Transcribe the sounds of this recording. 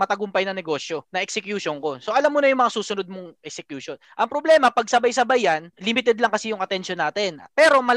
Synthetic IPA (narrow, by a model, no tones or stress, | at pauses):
mɐt̪ɐɡʊmpɐjnɐŋnɛɡo̞ːsjo̞nɐʔɛksɛkjuːʃonko̞soʔɐlamːuːnɐjʊŋmɐŋasuːsʊnod̪̚moŋʔɛk̚sɛkjuːʃonʔɐŋpɾoblɛːmɐpɐɡ̚sɐbajsɐbajɐnlɪmɪt̪ɛd̪lɐŋkɐsijʊŋɐt̪ɛnʃonːaːt̪ɛnpɛːɾo̞mɐ